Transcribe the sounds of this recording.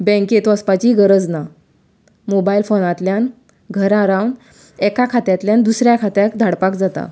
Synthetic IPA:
bɛ̃ŋket̪ɔəspat͡ɕiɡəɾəd͡zna | mobailfonat̪ljan | ɡʱəɾaɾawn | ɛkakʰat̪jat̪ljand̪usɾjakʰat̪jakd̪ʱaɽpakd͡zat̪a̰

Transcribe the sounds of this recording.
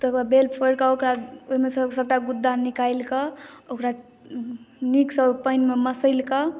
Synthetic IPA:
t̪əkabelpʰəɽkaokɾaoɦimesəsəb̚ʈaɡud̪ːanikajlkəokɾa | niksəpəjnmeməsəɪlkə

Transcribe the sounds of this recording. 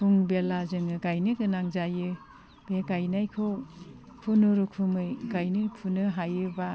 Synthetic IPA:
pʰuŋbelazɯŋɯɡajnɯɡɯnaŋzajɯ | b̥eɡajnajkʰow | kʰunuɾukʰumɯjɡajnɯpʰunɯɦajɯba

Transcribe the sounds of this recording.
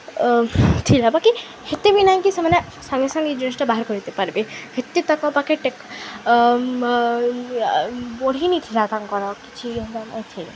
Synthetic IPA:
t̪ʰilabaki | het̪ebinaĩkisemane | sãŋɡisãŋid͡ʒɔnisʈabaɦaɾkɔɾit̪epaɾbehet̪ːit̪akɔpakeʈek | boɽ̤init̪ʰilat̪aŋkɔɾɔkit͡ʃʰiɔ̃nd̪anã̰t̪ʰil

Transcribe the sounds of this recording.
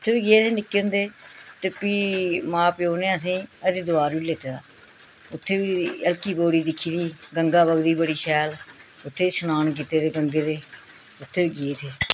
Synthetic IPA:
ʊt̪ʰːeːʋiːɡɪeːt̪eːnɪkːeːɦʊ̃nd̪eːt̪əpiːmãːpjoːnẽəs̬ĩːəd̪eːd̪ʊaːɾʋiːlet̪eːd̪aː | ʊt̪ʰːeːʋiːəlkiːboːɽiːd̪ɪkʰːiːd̪iːɡəŋɡaːbəɡd̪iːbəɽiːʃɛːlʊt̪ʰːeːsənaːnk̬iːt̪eːd̪eːɡəŋɡeːd̪eː | ʊt̪ʰːeːʋiːɡeeːt̪ʰeː

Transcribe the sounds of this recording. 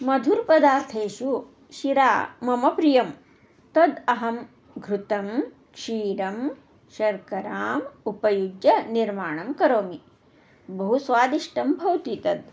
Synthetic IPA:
mɐd̪ʱuɾpɐd̪aːɾt̪ʰeːʃu | ʃiɾaːmɐmɐpɾijɐm | t̪ɐd̪ɐɦɐm | ɡʱɾut̪ɐm | ʃiːɾɐm | ʃɐɾkɐɾaːmupɐjud͡ʒjɐniɾmaːɳɐmkɐɾoːmi | bɐɦusʋaːd̪iʂʈɐmbʱɐwt̪it̪ɐd̪

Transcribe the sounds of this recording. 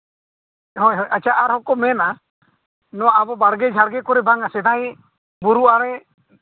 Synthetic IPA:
ɦɔjɦɔjat͡ʃʰaʔaɾɦɔkɔmɛna | nɔwaːbɔbaɽɡɛd͡ʒʱaɽɡɛkɔɾɛbaŋasɛd̪aj | buɾuaɾɛ

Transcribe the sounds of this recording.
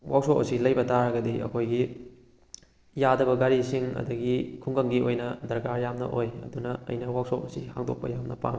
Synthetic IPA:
wawsokɐ̰silɐjbɐtaɾɐɡɐdiʔɐ̰kʰojɡi | jadɐbɐɡaɾisiŋɐ̰dɐɡikʰuŋɡɐŋɡiojnɐdɐɾkaɾjamnɐ̰ʔojɐ̰dunɐɐ̰jnɐwak̚sokɐsihaŋdo̰k̚pɐ̰jamnɐpa̰ŋ

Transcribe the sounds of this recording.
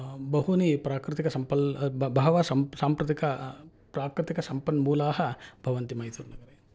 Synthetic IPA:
bɐɦunipɾaːkɾɪt̪ikɐsɐmpɐlbʱɐɦɐʋɐsɐmsaːmpɾɐt̪ikɐ | pɾaːkɾɪt̪ikɐsɐmpɐnːmuːlaːɦɐbʱɐʋɐnt̪imɐjt̪uːɾnɐɡɐɾeː

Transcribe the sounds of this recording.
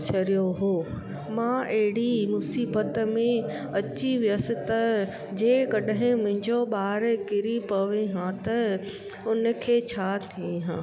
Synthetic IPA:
t͡ɕʰɐɾijoɦoː | mãːʔɐɦɪɽimʊsiːbət̪mẽ | ɐt͡ɕiʋijəsɪ̆t̪ɐ | d͡ʑeːkɐɗɦɪ̃mʊ̃ɦɪ̃ɲd͡ʑoɓaːɾkɪɾipɐʋẽɦãt̪ɐ | ʊnə̆kʰeːt͡ɕʰaːt̪ʰiiɦãː

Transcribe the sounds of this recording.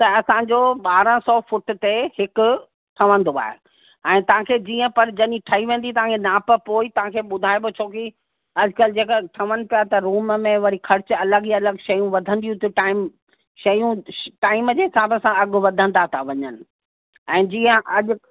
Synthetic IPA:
t̪ɐɐsãːd͡ʑoːɓaːɾə̃sɔːfʊʈt̪ehɪkʊ̆ | ʈʰɐʋə̃nd̪oa̰ːɦe | ɛ̃ːt̪ɐʋ̤ãkʰeːd͡ʑiːə̃pɐɾd͡ʑɐɗiʈʰɐɦiʋẽːnd̪it̪ɐʋ̤ãkʰenaːpɐpoːit̪ɐʋ̤ãkʰeːɓʊd̪ʱaːebot͡ɕʰoːki | ɐd͡ʑkəld͡ʑeːkəʈʰɐʋənɪ̆pijat̪ɐɾuːməmẽʋɐɾixʰɐɾɪt͡ɕɐləɡjɐləɡʃɐjũʋɐd̪ʱə̃nd̪ijũt̪eʈaːɪm | ʃɐjũʈaːɪmd͡ʑeːɦɪsaːbəsãɐɡʊʋɐd̪ʱə̃nd̪at̪ʰaʋɐɲənɪ̆ | ɛ̃ːd͡ʑiːə̃ʔɐʄʊ

